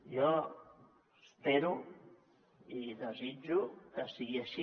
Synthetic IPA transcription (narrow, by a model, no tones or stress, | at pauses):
jɔ | speɾu | iðəzid͡ʒukəsiɣiəʃi